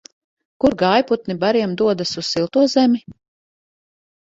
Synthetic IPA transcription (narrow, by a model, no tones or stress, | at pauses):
kuɾɡajput̪nibaɾiɛmd̪uɔd̪asuz̥silˠt̪uɔzɛmʲi